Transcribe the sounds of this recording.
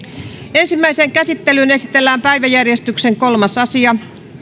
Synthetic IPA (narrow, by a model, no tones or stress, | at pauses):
ensimːæiseːŋkæsit̪ːelynesit̪elːæːmpæiʋæjærjest̪ykseŋkolmɑsɑsiɑ